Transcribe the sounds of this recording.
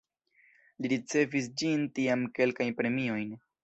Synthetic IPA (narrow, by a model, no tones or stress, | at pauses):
liɾit͡se̞vis̬d͡ʒintiamke̞lkajnpɾe̞mio̞jn